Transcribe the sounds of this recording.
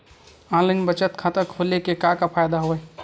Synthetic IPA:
ãːlanbət͡ʃət̪kʰãt̪əkʰoːlekekakapʰaːjd̪aɦoɛ

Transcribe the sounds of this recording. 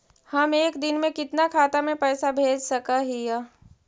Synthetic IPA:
hɐmeːkd̪ɪnmẽkɪt̪nakʰaːt̪amẽpɛːsabʱeːd͡ʒsɐkaɦija

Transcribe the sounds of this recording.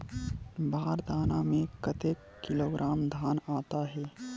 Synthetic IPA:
baːɾd̪ʱaːnamẽkət̪eːkːɪloːɡɾʔaːmd̪ʱaːnaːt̪aɦɛː

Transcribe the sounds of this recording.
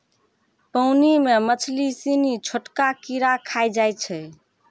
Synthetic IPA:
pəʊnimemət͡ʃʰlisinit͡ʃʰoʈkakiɾakʰajd͡ʒajt͡ʃʰɛ

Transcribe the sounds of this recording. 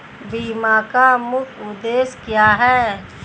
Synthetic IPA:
biːmaːkamʊkʰʊd̪eːskjaːɦɛː

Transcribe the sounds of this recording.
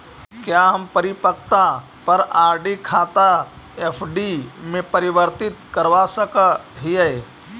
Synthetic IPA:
kjaɦɐmpəɾɪpək̚t̪a | pɐɾaːɾɖikʰaːt̪a | epʰɖimẽpəɾɪʋəɾt̪ɪt̪kɐɾʋasəkəɦije

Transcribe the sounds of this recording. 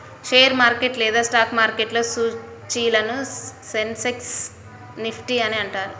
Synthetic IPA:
ʃeːjɐɾmaːɾkeʈlɛːd̪aːsʈaːkmaːɾkeʈlo̞ːsu | t͡ʃiːlɐnusenseks | nipʰʈiɐniɐɳʈaːɾu

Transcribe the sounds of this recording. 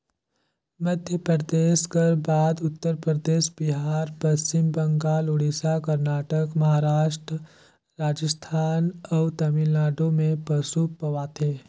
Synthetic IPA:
məd̪ʱjəpɾəd̪eːʃkəɾbaːd̪ʊt̪ːəɾpɾəd̪eːʃbɪɦaːɾpɐst͡ʃɪmbɐ̃ŋɡaːlʊɽisakɐɾnaːʈəkmɐɦaːɾaːʃʈɾə | ɾaːd͡ʒəst̪ʰaːnɔt̪ɐmɪlaːɖõmẽpɐsupɐʋaːt̪ʰeː

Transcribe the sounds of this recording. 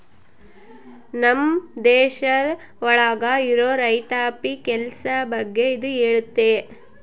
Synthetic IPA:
nɐmd̪ɛːʃɐ | ʋɐɭaːɡaiɾoːɾɐjt̪aːpikɛlɐsɐbɐɡːe̞id̪ueːɭut̪ːe̞

